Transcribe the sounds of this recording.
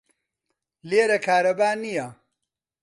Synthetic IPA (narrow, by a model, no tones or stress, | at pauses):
leːɾɐkʰaːɾɐbaːnijɐ